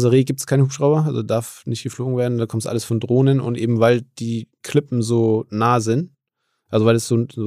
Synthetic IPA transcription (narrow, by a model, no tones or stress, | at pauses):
zaʁeːɡiːp̚tskʰaɪnəhuːpʃʁ̥aʊbɐʔa̰lzod̥aɐfnɪçtɡ̥əfloːɡŋ̩veːɐdn̩dankʰɔmstʔa̰ləsfɔndʁoːnənʊ̰ntʔeːbm̩vaɪld̥iːkʰlɪpm̩zoːnaːzɪnt | ʔalzovaɪlasz̥oː